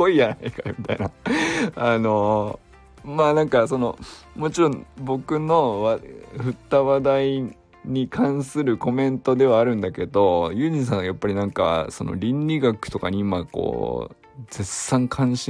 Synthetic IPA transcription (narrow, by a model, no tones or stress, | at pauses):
oijanaikamʲit̪aina | ano̞ | maːnãŋkaso̞no̞̰mo̞t͡ɕiɾõ̞mbo̞kɯ̟no̞βaɸɯ̟t̪ːaβad̪ai | ɲ̟ikʰãɰ̃sɨɾɯ̟ko̞mẽ̞nt̪o̞d̪e̞βaːɾɯ̟̃nd̪ake̞d̪o̞jɯ̟ɲis̬ãɰ̃ajapːaɾʲinãŋka̰so̞̰no̞̰ɾʲĩnɾʲiɡakɯ̟̥t̪o̞kaɲ̟iːmako̞̰ː | d͡ze̞sãŋkʰãɰ̃ɕ